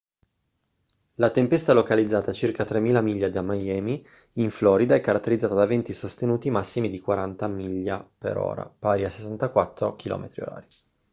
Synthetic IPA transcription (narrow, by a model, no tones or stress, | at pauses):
lat̪empɛst̪alokalid̪zːaːt̪at͡ʃirkat̪ɾemːiːlamiʎːad̪iamːajɛːmi | iɱflɔːɾid̪aɛkːaɾat̪ːeɾid̪zaːt̪ad̪avɛnt̪isost̪enuːt̪imasːimid̪ikwaɾant̪amiʎːapḛɾɔ̰ːɾa̰paːɾiase̥sːant̪akwat̪ːɾo̰kilɔ̰ːmet̪ɾio̰ɾa̰ːɾi